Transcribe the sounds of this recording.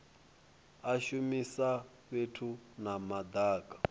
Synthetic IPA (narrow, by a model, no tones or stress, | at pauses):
aʃumisa | βetʰunamad̪aːkʼḁ